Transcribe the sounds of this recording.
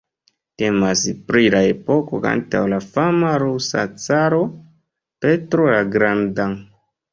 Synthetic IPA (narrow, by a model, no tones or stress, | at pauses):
te̞maspɾilae̞po̞ko̞ka̰nta̰wlafamaɾusa̰t͡saɾo̞ | pe̞tɾolaɡɾandaŋ